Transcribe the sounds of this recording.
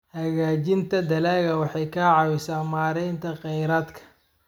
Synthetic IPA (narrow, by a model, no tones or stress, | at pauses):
hɐɣaːt͡ʃɪnt̪ʰɐd̪ɐlaːɣɐwɑħɑjkʰɐʕɑwɪsaːmaːɾɛjnt̪ʰɐqɛjɾaːd̪kʰɐ̥